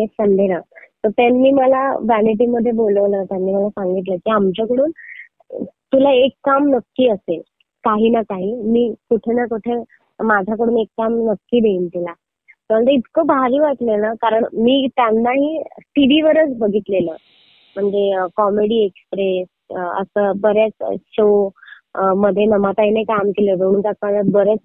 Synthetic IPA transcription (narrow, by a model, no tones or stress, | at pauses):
ɦesənd̪ʱenat̪ət̪anːiːməlabæneʈ̬iməd̪ʱːjeboləʋnat̪janːiːməlasãŋɡit̪ləːkiːamt͡ɕakəɽuːn | t̪ulaekːamnəkːiːəsel | kaɦiːnakaɦiːmiːkuʈʰenakuʈʰe | mad͡ʑʱak̬əɽuːnekːamnəkːiːd̪eint̪ila | t̪əəɳt̪əit̪kəbaɦaɾiːʋat̪lenakaɾəɳmiːt̪janːaɦiːʈiɽiʋəɾət͡sbʱəɡʱiːt̪leləː | m̤əɳd͡zekɔmeɽiːekspɾes | ə̰səːbəɾjat͡sɕo | məd̪ʱːjenəmat̪ainajkamkeləd̪oɽ̃unkat͡spaat̪̚bəɾjat͡s